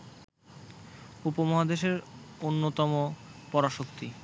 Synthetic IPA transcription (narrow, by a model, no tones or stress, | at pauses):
upomɔɦad̪eʃeɾonːot̪ɔmopɔɾaʃokt̪i